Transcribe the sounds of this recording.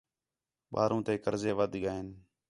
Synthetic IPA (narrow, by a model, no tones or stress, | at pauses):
ɓa̰ːɾũːt̪eːkəɾzeːʋəd̪ɠaːeːn